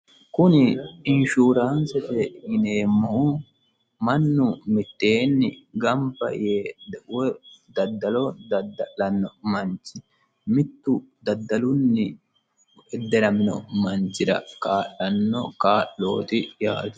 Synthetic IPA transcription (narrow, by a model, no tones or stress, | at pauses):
kʊnɪɪnʃuːɾaːnsɛfɛhɪneːmːɐhʊ | mɐnːʊmɪt̪ːe̞ːnːɪ̰ɡɐmbɐ̰jewɛd̪ɐd̪ːɐlɔd̪ɐd̪ɐʔɐnːɔmɐnt͡ʃɪ̥ | mɪt̪ːʊd̪ɐd̪ːɐlʊnːɪ | ɛd̪ɛɾɐmɪnɔ̰mɐnt͡ʃːɪɾɐ̰kaːʔɐnːɔkaːʔːo̰ːt̪ɪja̰ːd̪